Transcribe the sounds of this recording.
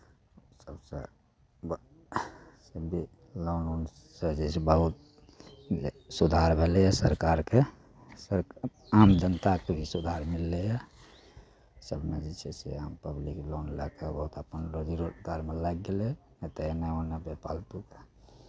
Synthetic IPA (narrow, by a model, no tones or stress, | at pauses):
səbsḛ | b | sebʱi | lonon | sed͡ʒesebəɦut̪̚ | esud̪ʱaɾbʱelejɛsəɾkaɾke | səɾamd͡ʒənt̪akebʱisud̪ʱaɾmilːejɛ | səbmed͡ʒet͡ʃʰesḛampəbliklonlakebəɦut̪əpənɾod͡ʒiɾod͡ʒɡaɾmelaɡɡele | et̪eeneonebepa̰lpuke